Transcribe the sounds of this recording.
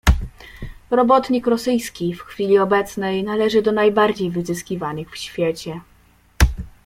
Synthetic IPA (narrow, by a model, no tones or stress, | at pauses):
ɾɔbɔt̪ɲikɾɔsɘjskʲifxfʲilʲiɔbɛt̪snɛjnalɛʐɘd̪ɔnajbaɾd͡ʑejvɘzɘskʲivanɘxfɕfʲjɛt͡ɕɛ